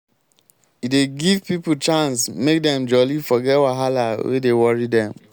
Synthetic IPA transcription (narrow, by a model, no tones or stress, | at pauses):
ideɡivpiput͡ʃãnsmek̚dɛ̃md͡ʒɔlifɔɡɛwaɦalawḛdewɔɹidɛ̃m